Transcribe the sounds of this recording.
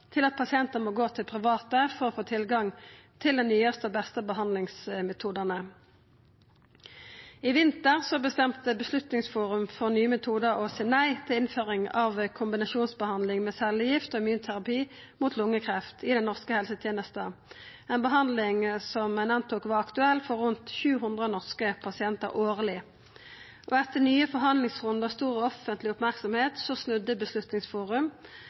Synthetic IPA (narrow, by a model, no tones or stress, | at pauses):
t̪ʰɪlɑt̪̚pʰɑsɪɛnt̪əmoːɡoːt̪ʰɪlpʰʁɪʋɑːt̪əfɔʁɔfoːt̪ʰɪlɡɑŋt̪ʰɪld̪ɛnnyːəst̪əobɛst̪əbəɦɑnd̪lɪŋsmɛt̪ʰuːd̪əʁnə | ɪʋɪnt̪əʁsɔbəst̪ɛmt̪əbəslʉt̪nɪŋsfuːʁʉmfɔʁnyːəmɛt̪ʰuːd̪əʁɔsɛnæɪt̪ʰɪlɪnføːʁɪŋɑʋkʰʊmbɪnɑʃuːnsbəhɑnd̪lɪŋmeːsɛlːjɪft̪ɔɪmʉːnt̪ʰæʁɑpiː | muːt̪ʰlʊŋːəkʰʁɛft̪ʰɪd̪ɛnːɔʁskəhɛlsət̪ʰjeːnəst̪əɛeːnbəɦɑnd̪lɪŋsɔmɛnɑnt̪uːkʋɑɑkt̪ʉɛlːfɔʁʉnt̪çʉːɦʉnd̪ʁənɔʁskəpʰɑsɪɛnt̪ə̰ʁʔoːʁlɪ | ʔɔɛt̪ːənyːəfɔʁɦɑnd̪lɪŋsʁʊnd̪əst̪uːʁəɔfənt̪lɪʊpmæʁksɔmheːt̪sɔsnʉd̪ːəbəslʉt̪nɪŋsfuːʁʉm